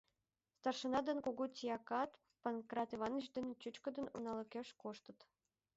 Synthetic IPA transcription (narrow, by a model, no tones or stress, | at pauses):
st̪ɑrʃɤ̆nɑd̪ɤ̆nkuɡutʲijɑkɑt̪ | pɤnkrɑt̪ivɑnə̆t͡ɕd̪ɘ̆nʲĕt͡ɕut͡ɕkɤ̆d̪ɤ̆nṵnɑlˠɤ̆kʲeʃkoʃt̪ɤ̆t̪